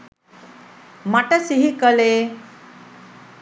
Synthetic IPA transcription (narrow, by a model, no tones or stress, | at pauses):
maʈəsiɦikəle